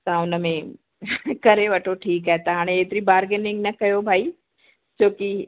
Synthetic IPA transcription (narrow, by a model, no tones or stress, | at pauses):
t̪ɐʊnəmẽ | kɐɾeʋɐʈʰoʈʰiːkɦaːet̪ɐɦaːɽ̃ẽeːt̪ɪɾibaːɾɡənɪ̃ŋɡnɐkɐjobʱaːi | t͡ʃoːki